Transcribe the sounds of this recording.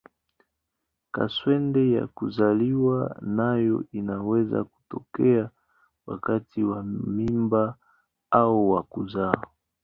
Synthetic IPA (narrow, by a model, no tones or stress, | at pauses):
ka̰swɛndɛja̰kuzaliwanajɔ̰inawɛza̰ku̥tɔkɛa | wa̰katʰiwamimba | auwakuza